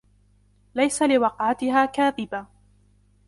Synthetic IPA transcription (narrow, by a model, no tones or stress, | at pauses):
lajsalɪwɑqʕat̪ɪɦaːkaːðɪba